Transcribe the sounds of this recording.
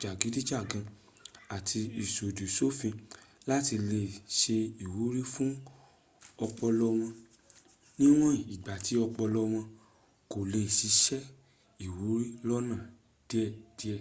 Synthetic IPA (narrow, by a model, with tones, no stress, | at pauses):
d͡ʒa˨ɡi˨˦di˦d͡ʒa˦˨ɡã˧ | a˨tʰi˧i˨so˨du˨so˦fĩ˧la˦ti˧le˧˨ʃe˧i˨wu˨˦ɾi˦fũ˦ | ɔ˧k͡pɔ˧lɔ˧w̃ɔ̃˧ | nĩ˦w̃ɔ̃˦i˨ɡ͡ba˨ti˨˦ɔ˧k͡pɔ˧lɔ˧w̃ɔ̃˧ | ko˨le˧˨ʃi˨˧˦ʃɛ˦ | i˨wu˨˦ɾi˦lɔ˦nã˦˨ | d̥i˦ɛ˦˨d̥i˦ɛ˧˨